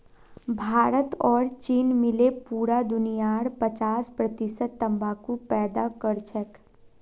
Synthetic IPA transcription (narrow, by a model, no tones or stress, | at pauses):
bʱaːɾət̪ɔːɾt͡ʃiːnmɪlepuːɾad̪ʊnijaːɽpət͡ʃaːspɾət̪ɪsət̪ːə̃mbaːkupɛːd̪akəɾt͡ʃʰək